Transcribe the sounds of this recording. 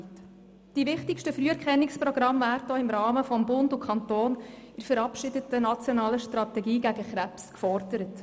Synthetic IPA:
d̥ivɪχtɪkʃtəfɾyːɛɾkχɛnːɪksprɔɡ̥ɾɑmvæːɾtdɔɪmɾɑːməfɔmbʊndukʰχɑntoːn | ɪɾfəɾɑpʃɪdətənɑt͡sjɔnɑːləʃtrɑtɛɡiːɡæɡəχɾæpskfɔrdəɾət

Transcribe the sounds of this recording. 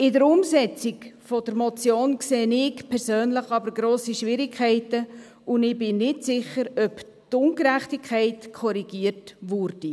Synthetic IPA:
ɪdəɾʊmsɛt͡sɪkfɔd̥əɾmɔt͡sjoːnkseːnɪkpʰɛɾsøːnləχɑbəɾɡɾoːsiʃʋɪɾikʰɛɪtə | ʊnɪbɪnnɪtsɪχəɾœp | tʊŋɡɾæχtikʰːæɪtkʰɔɾiɡ̥iːərtʋʊɾd̥i

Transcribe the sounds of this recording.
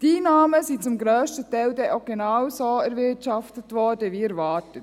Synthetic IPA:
d̥inɑːməsit͡sʊmɡɾøːʃtətɛɪldɛʔoɡ̥enɑwsoːæɾʋɪtt͡ʃɑftətʋɔːɾdəʋiɛɾvɑːtət

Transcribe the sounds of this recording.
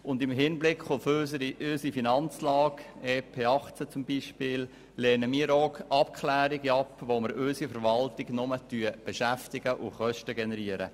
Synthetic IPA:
ʊndɪmɦɪnblɪkχʊføsəɾiøsifinɑnt͡slɑːkeːpʰeːɑχt͡sət͡sʊmbiʃpɪːl | lɛːnəmiːəɾɔkɑpkχlæːɾiɡɑpʋoməɾøsifəɾʋɑltɪɡnʊmətyəb̥ɛʃæftɪɡ̥əʔʊ̰χœʃtəɡɛnɛɾiəɾə̰

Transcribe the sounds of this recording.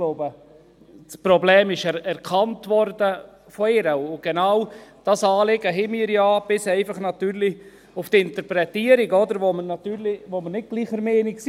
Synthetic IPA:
loʊbə | spɾɔblɛːmɪʃɛɛɾkʰɑntʋɔɾdəfɔɪɾəʊɡ̥ɛnawd̥ɑsɑːlɪɡəɦɪmiəɾjɑːb̥ɪsɛɪfɑχnɑt̪yːɾli | ʊftɪnt̪əɾpɾɛtiəɾiɡɔd̪əɾʋomənɑt̪yːɾliʋomənɪt̚ɡ̥liːχəɾmɛːnɪks

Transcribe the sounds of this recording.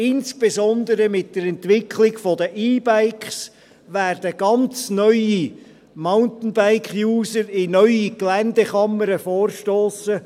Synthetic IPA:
ɪnsb̥ezɔnd̪əɾəmɪt̚d̥əɾɛntʋɪkʰlɪɡfɔdəʔiːbaɪkχs | ʋærdəɡ̥ɑnt͡snœʏi | maʊntn̩baɪkχjuːsəɾɪnœʏiɡlændəχɑməɾəfoːrʃtoːsə

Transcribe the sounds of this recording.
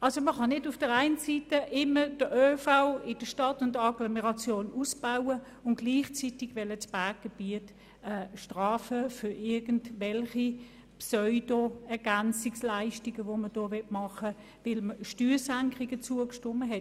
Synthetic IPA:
ɑlsoməχɑnɪdʊfd̥əʁæaɪnsitəʔɪməd̥əʔøːfaʊɪd̥əʃtɑtʊndɑɡlomeʁɑt͡sjoːnusb̥aʊə | ʊn̚ɡ̥liːχt͡sitɪɡ̥vɛlət͡sb̥aːk̚ɡ̥eb̥iət | ɛːʃtʁɑːfəfʏɪɐɡən̩dvɛlχi | psɔʏd̥oɛɐɡ̥ænt͡sɪkslaɪʃtiɡəvoməd̥ɔːvɛtmɑχə | vɪlməʃtyːsæŋkʁiɡət͡suəkʃtʊməɦɛt

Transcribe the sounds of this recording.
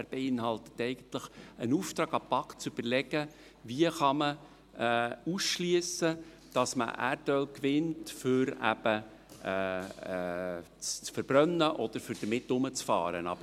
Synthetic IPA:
ɾb̥eɪnhɑlˠtə̥tɛɪɡ̥ənt̪ləχənuft̪ɾɑːɡɑpɑkt͡sʏb̥əɾlɛɡ̥ə | viəχɑmə | usʃlyəsə | d̥ɑsmə̰ʔæ̰ːɾdœlkʋɪntfʏɾæ̰b̥ə | t͡st͡sfəɾb̥ɾœnːəʔɔd̥̪əɾfʏɾd̥əmɪtːʊmət͡sfɑ̰ːɾənɑ̰b̥ə

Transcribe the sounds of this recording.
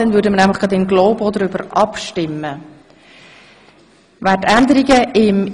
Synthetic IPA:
ɛnvʉːɾdəmənæmləχɡ̥ɑd̪ɪmɡloːbodəɾybəɾʔɑpʃtɪmːə | væːtænd̪əɾiɡəɪm

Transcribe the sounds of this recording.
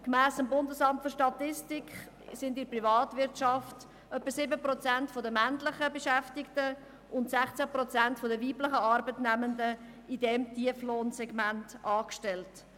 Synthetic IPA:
kmæːsəmbʊndəsɑmtføɾʃtɑtɪstɪkχ | sɪndɪɾprivɑːtvɪɾtʃɑft | œpːəsɪbəprɔt͡sæntfɔdəmæntləχəbəʃæftɪktə | ʔʊntsæχt͡sæprɔt͡sæntfɔdəviːpləχəɑɾbətnæməndə | idɛmtiəfloːnsɛɡmæntʔɑːkʃtɛlt

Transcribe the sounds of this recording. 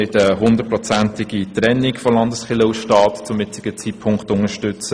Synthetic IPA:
ɪtəɦʊnd̪ət̚pɾɔt͡sæntɪɡit̪ɾɛnːɪkfɔlɑndəsχɪləuʃtɑːtt͡sʊmjɪt͡sɪ̥ɡ̥ət͡sit̚pʰʊŋkχtʊŋəʃtʏt͡sə

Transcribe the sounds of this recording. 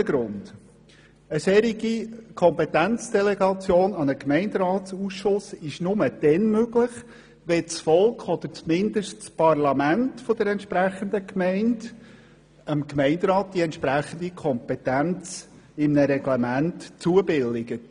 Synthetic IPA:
əɡɾʊnd̥ | əsɛːɾiɡikʰɔmpɛt̪ænt͡sd̥ɛlɛɡɑt͡sjoːnɑnəkmɛɪndɾɑːtsusʃʊsɪʃnʊməd̥ɛnmøɡləχ | ʋɛt͡sfɔlkχɔd̪əɾt͡smɪnd̪əʃtt͡spɑrlɑmæntfɔd̥̪əɾɛntʃpɾæχənd̪əkmɛɪnd | əmkmɛɪndɾɑːt̚d̥̪iɛntʃpɾæχənd̪ikʰɔmpɛtænt͡s | ɪmnəɾɛɡlɛmæntt͡suəbɪlːɪɡət

